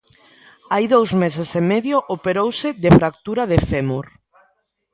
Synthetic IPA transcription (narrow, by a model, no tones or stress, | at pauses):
ajðowzmesesemɛðjoʔopeɾowsɪðefɾak̚t̪uɾaðefemuɾ